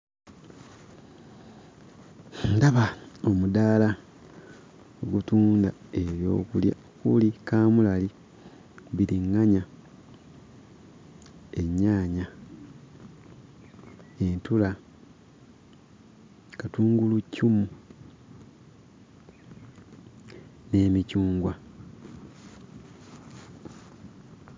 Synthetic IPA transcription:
ndaβao̞mudaːla | oɡutuːndae̞βjo̞̰ːkulja̰ | kulikaːmulali | βiɾiŋːaɲa | e̞ɲːaːɲa | entula | katuːŋɡulucʰːumu | ne̞ːmicuːŋɡwa

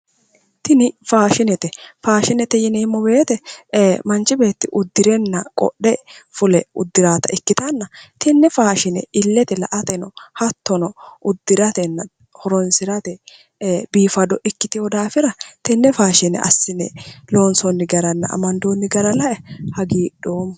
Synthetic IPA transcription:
t̪ɪnɪfaːʃɪnɛt̪ɛfaːʃɪnɛt̪ɛjɪnɛːmːɔbe̞ːt̪ɛmɐnt͡ʃːɪbeːt̪ːɪʔʊd̪ːɪɾɛnːɐkʼɔ̰ɗːɛfʊlɛʊ̰d̪ːɪɾaːt̪ɐɪkːɪt̪ɐnːɐt̪ɪnːɛfaːʃɪnɛ̰ɪlːɛt̪ɛlɐ̰ʔɐt̪ɛnɔhɐt̪ːɔnɔʔʊd̪ːɪɾɐt̪ɛnːɐ | hɔɾɔnsɪɾɐt̪ɛ | biːfɐd̪ɔʔɛkːɪt̪ɪjɔd̪aːfɪɾɐt̪ɛnːɛfaːʃɪnɛ̰ʔɐ̰sːɪnɛ̰lo̞ːnsɔnːɪɡɐɾɐnːɐ̰ɐ̰mɐnd̪oːnːɪɡɐɾɐlɐʔɛhɐɡiːɗoːm

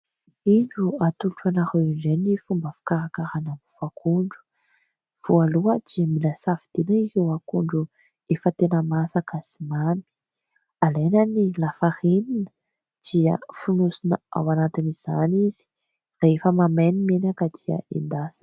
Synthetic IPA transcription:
iɳɖ͡ʐuat̪uʈ͡ʂanahewiɳɖ͡ʐenifumbəfi̥kaɾakaɾanamufakʰuɳɖ͡ʐu̥ | v̥ualuəd̪̥iamilasavid̪̥enaikewakuɳɖ͡ʐu | efət̪enəmasakasimami̥ | alejnənilafaheninə̥ | d̪̥iə̰funusinaa̰wanat̪iniz̥anizi̥ | reefəmamenimenakəd̪ia̰end̪asḁ

